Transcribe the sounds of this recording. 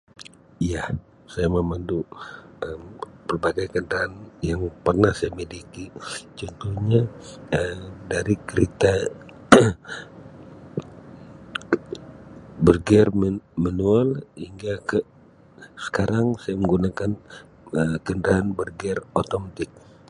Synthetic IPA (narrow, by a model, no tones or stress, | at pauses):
ijah | sajaməmanduʔəmpərbaɡajkəndɾaːnjaŋpərnahsajamedikit͡ʃɔnt̪uhɲaəmdaɾikəɾit̪a | bərɡɛrmmənualhiŋɡakə | sə̥kaɾaŋsajaməŋɡunakan | əkəndɾaːnbərɡɛrot̪ɔmt̪ɪk̚